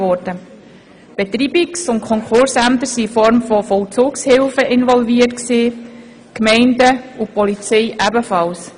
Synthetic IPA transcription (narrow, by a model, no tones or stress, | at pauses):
ɔrd̥ə | b̥ɛt̪ɾibiksʊntkʰɔŋkχʊɾsæmt̪əɾsifɔɾmfɔfɔlt͡suːkshɪlfəʔɪnvɔlviətksiː | kmɛɪndəupɔlit͡sɛɪʔæbəfɑls